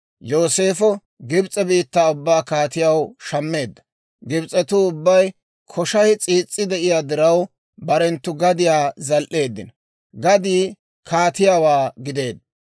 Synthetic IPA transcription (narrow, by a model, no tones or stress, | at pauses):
jo̞ːse̞ːfɔ | ɡɪbt͡sʼɛbiːt̪ːaːʊbːaːkaːt̪ɪjɐwʃɐmːe̞ːd̪ːɐ̥ | ɡɪbt͡sʼːɛt̪ʊʊbːɐj | kʰɔʃɐhɪt͡sʼiːt͡sʼːɪd̪ɛʔɪjaːd̪ɪɾɐw | bɐɾɛnt̪ːʊɡɐd̪ɪjaːzɐlʔe̞ːd̪ːɪ̰n | ɡɐd̪iː | kʰaːt̪ɪjaːwaːɡɪd̪e̞ːd̪ːɐ